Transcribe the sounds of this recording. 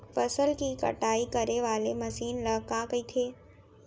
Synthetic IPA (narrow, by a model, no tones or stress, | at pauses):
fɐsəlkikɐ̰ʈaːikɐɾeʋaːlemɐsiːnləɦkakɐit̪ʰeː